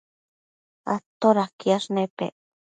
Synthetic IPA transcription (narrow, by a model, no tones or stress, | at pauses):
a̰t̪oɾakiaʂnepḛ